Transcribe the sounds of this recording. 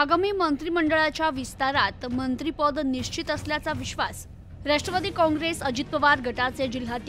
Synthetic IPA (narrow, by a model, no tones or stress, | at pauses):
aɡamiːmənt̪ɾiːməɳɖəɭat͡ɕjaʋist̪aɾat̪mənt̪ɾipəd̪niɕt͡ɕit̪əsljat͡saʋiɕʋas | ɾaʂʈɾəʋad̪iːkɔ̃ŋɡɾesəd͡ʑit̪pəʋaɾɡʱəʈat͡sed͡ʑil̤at̪j